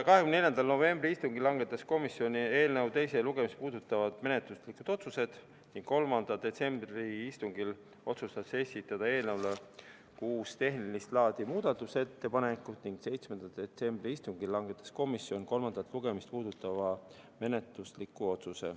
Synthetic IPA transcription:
kɑɦekymneljɑnd̪ɑlno̞ve̞mbriist̪uŋɡilːɑŋɡ̥e̞t̪ːˑɑsko̞misːjo̞nie̞ːlne̞wt̪e̞jse̞luɡ̥e̞mist̪̚puːd̪̥ut̪ːˑɑvɑd̪̥me̞net̪luslikːud̪̥o̞t̪suse̞d̪̥ | niŋɡ̥kːo̞lmɑnd̪̥ɑd̪e̞t̪se̞mbɾiist̪uŋɡ̥il | o̞t̪sust̪ɑse̞sʲit̪ːˑɑd̪̥ɑe̞ːlnewle | kuːst̪e̞ɦnilist̪lɑːd̪̥imuːd̪ɑt̪ːˑuse̞t̪ːe̞pɑnekːˑut̪niŋɡ̥se̞jt̪smend̪̥ɑd̪̥e̞t̪se̞mb̥riist̪uŋɡillːɑŋɡe̞t̪ːˑɑ̥sko̞misːjo̞nko̞lmɑnd̪ɑt̪ːˑluɡ̥e̞mist̪̚puːd̪̥ut̪ːˑɑvɑ | me̞ne̞t̪luslikːˑuo̞t̪suse̞̰

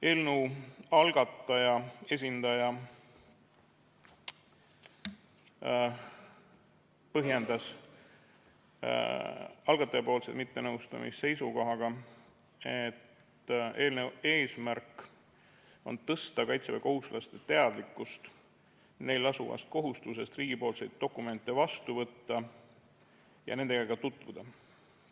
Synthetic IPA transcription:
e̞lnuɑlɡ̥ɑt̪ːˑɑjɑe̞s̬ʲind̪ɑjɑ | pɤɦjend̪̥ɑs | ɑlɡ̥ɑt̪ːˑɑjɑpo̞ːlsed̪mit̪ːe̞nɤwst̪ɑ̰mḭsse̞jsuko̞ɦɑɡ̥ɑ | et̪ː | e̞ːlnee̞ːsmærkːˑ | o̞̰nt̪ɤst̪ɑkɑjt̪sevɑko̞ɦuslʔɑst̪e̞t̪e̞ɑd̪likːˑust̪ | ne̞jlːɑsuvɑ̰st̪̚ko̞ɦust̪us̬e̞st̪riːɡ̥ipo̞ːlsejd̪̥̚ːo̞kːˑume̞nt̪ːˑe̞vɑst̪uvɤt̪ːɑ | jɑ̰ne̞nd̪eɡɑɡ̥ɑt̪ut̪ˑvud̪̥ɑ

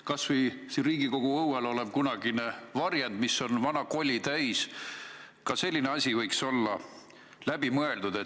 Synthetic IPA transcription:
kɑsvəjsinriːɡiko̞ɡ̥uɤwɑlo̞leb̥̚kunɑɡinevɑrjend̪̥misːo̞nvɑnɑko̞lʲːit̪æjs | kɑse̞lʲːineɑsʲivɤjkso̞lːɑ | læb̥imɤe̞ld̪ud̪̥e̞

